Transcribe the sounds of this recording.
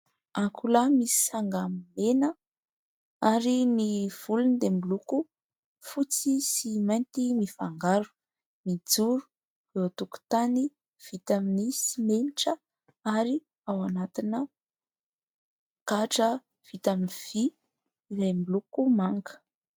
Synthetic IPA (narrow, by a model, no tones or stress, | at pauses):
akʰulamisi̥saŋɡammenə | aɾiniv̥ulund̪emiluku | fut͡sisimajnt̪imifaŋɡaɾu̥ | mid͡zuɾu̥ | vewat̪uku̥t̪ani | v̥it̪aminisimeniʈ͡ʂə | aɾi | awanat̪inə | kaʈ͡ʂə | v̥it̪aminv̥iː | ɾajmilukumaŋɡə̥